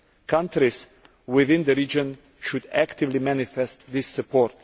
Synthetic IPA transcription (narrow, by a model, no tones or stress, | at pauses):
kʰãntɾiz | wɪðɪ̃nðəɹid͡ʒə̃n | ʃud̪ækt̪ɪvlimænɪfɛst̪ðɪsːɨpʰɔɾt̪